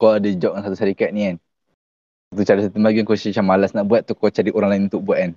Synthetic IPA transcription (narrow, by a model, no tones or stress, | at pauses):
kɔadəd͡ʒɔʔŋansat̪usaɾikat̪̚nian | at̪̬ut͡ʃadəsət̪imaɡinkɔt͡ʃit͡ʃamalasnaʔbuat̪̚t̪ːukɔt͡ʃadiʔoɾaŋlaɪnunt̪ʊk̚buat̪̚an